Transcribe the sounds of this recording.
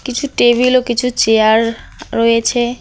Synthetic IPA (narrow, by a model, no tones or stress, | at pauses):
kit͡ɕʰuʈebilokit͡ɕʰut͡ɕeaɾːɔjet͡ɕʰe